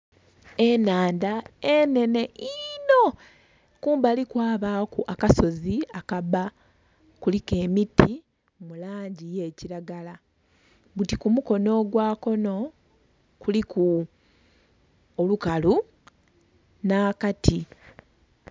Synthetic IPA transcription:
e̞naːndaene̞ne̞ʔino̞ | kuːmbalikwaːβakuʔakaso̞ziakaβa | kulike̞ːmitːi | mulaːɲɟije̞ːciɾaɡala | βutikumuko̞no̞ːɡwaːko̞no̞ | kuliku | olukalu | naːkatʰi

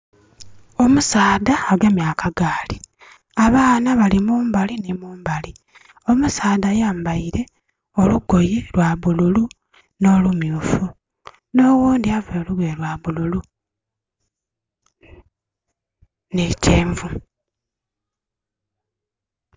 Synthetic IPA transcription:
o̞musaːðaːɡamjaːkʰaɡaːli | aβaːnaβalimuːmbalinimuːmbali | o̞musaːðajaːmbaiɾe̞ | o̞luɡo̞jelwaβululu | no̞ːlumjuːfu | no̞wuːndiaveluβwelwaβululu | neceːɱvu

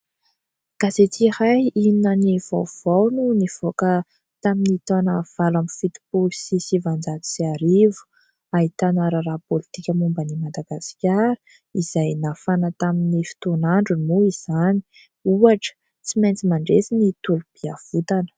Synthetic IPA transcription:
kaset͡sihajiinəniv̥a̰wv̥awnuniv̥okə | t̪aminit̪onəv̥alamfit̪i̥pulsisivand͡zat̪i̥siaɾivu̥ | ait̪anaɾəɾapolit̪ikʲəmumbənimad̪aɡasi̥kʲaɾə̥ | iz̥ajnafanət̪aminifi̥t̪onaɳɖ͡ʐunmuiz̥ani̥ | uaʈ͡ʂə̥ | t͡simajnt͡simaɳɖ͡ʐesinit̪ulub̥iav̥ut̪anə̥

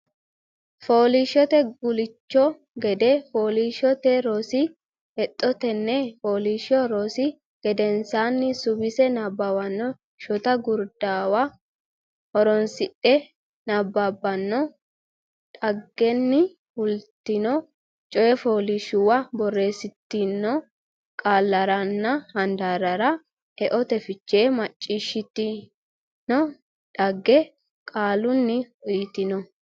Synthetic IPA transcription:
fo̞ːliʃɔt̪ɛɡʊlɪt͡ʃːɔ | ɡɛd̪ɛfoːliːʃɔt̪ɛɾosɪ | ɛt̪ʼːɔt̪ɛnːɛfo̞ːliːʃɔɾosɪ | ɡ̥ɛd̪ɛnsaːnːɪsʊbɪsɛnabːawɐnːɔ | ʃɔt̪ɐɡʊɾd̪aːwa | hɔɾɔnsɪʔɛ | nabːaːbːɐnːɔ | ᶑɐɡːɛnːɪ | hʊlt̪ːɪnɔ | t͡ʃʼɔjɛfoːlɪʃʊwɐbɔrːe̞ːsɪt̪ːɪnːɔ | kʼaːlːɐɾɐnːɐhɐnd̪aɾɐɾɐ | ɛʔɔt̪ɛfɪt͡ʃːeːmɐt͡ʃʼːiːʃɪt̪ːɪ | nɔ | ᶑɐɡːɛ | kʼaːlʊnːɪjt̪ɪnɔ

